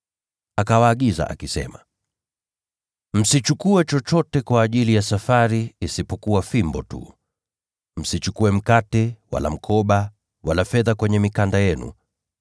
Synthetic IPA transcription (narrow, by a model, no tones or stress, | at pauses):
akawaːɠiza̰ʔa̰kisɛ̰ma | m̩sit͡ʃukuɛt͡ʃɔt͡ʃɔtɛkwaːʄilijasafaɾiːsipɔkuwafimbɔtṵ | m̩sit͡ʃukuɛm̩katɛwa̰la̰m̩kʰɔɓa | walafɛðakwɛɲɛmikandajɛnṵ